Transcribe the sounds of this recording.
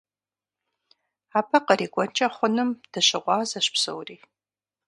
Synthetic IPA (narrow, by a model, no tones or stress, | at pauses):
aːpʰɐqəɾiːɡʷʼɔnt͡ʃʼɐχʷʊnɨmd̥ɨɕɪʁʷɑːzɐɕpso̰wriː